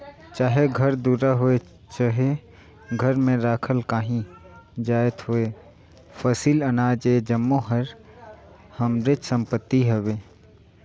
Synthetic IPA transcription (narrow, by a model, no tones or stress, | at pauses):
t͡ʃaːɦeɡʱəɾd̪uːɾaɦoe | t͡ʃaːɦe | ɡʱəɾmẽɾaːkʰəlkaːɦĩ | d͡ʒaːət̪ɦoe | fəsiːlənaːd͡ʒed͡ʒəmːoɦəɾ | həmɾɪt͡ʃsə̃mpət̪ːiɦoweː